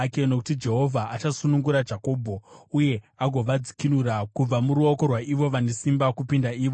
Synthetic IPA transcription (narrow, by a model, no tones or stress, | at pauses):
keno̞kutid͡ʒe̞ɦo̞vʱaʔat͡ʃasunuŋɡuɾad͡ʒako̞ːbʱo̞uje̞ | aɡʱo̞ʋad͡zi̥kinurakub͡vamuɾuoko̞rwaʔiʋo̞ʋane̞simbakupindaiːʋo